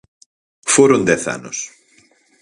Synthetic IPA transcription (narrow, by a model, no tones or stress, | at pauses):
foɾõnd̪ɛθa̰nʊs